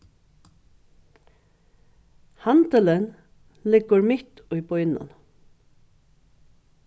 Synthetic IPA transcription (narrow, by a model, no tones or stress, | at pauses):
hant̪ələn | lɪɡʊɾmɪht̪ʊjbɔjnʊ̰n